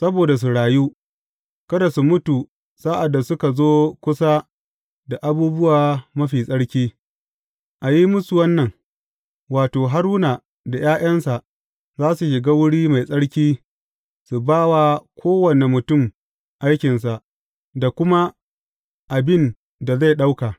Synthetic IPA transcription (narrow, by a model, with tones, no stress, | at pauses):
sɐ˦boː˨da˨s̬u˨ɽaː˨ju˦ | kɐ˦da˨su˨mʊ˦tu˨ | sa˦ʔa˨dːa˨sʊ˦ka˨zoː˦kʷʊ˦sa˦ | da˨ʔa˨buː˦bʊ˦waː˨mɐ˦ɸiː˨sʼɐ˦ɽkʲiː˦ | ʔa˨ji˦mʊ˦su˨wɐ˦nːɐ˨ŋ | waː˨toː˨ɦa˦ɽʊ˦naː˨ | da˨jaː˦jʔɐ˦nsa˨ʔ | zaː˦su˨ʃɪ˨ɡaː˦wʊ˦ɽiː˦ma˨jsʼɐ˦ɽkʲiː˦ | su˨baː˦wa˦kʰʷoː˦wɐ˨ne˨mʊ˨tʊ˦˨m | ʔa˦jkʲɪ˨nsa˨ʔ | da˨kʷʊ˦ma˦ | ʔa˨bɪ˦˨n | da˨za˦˨jɗa˦wka˨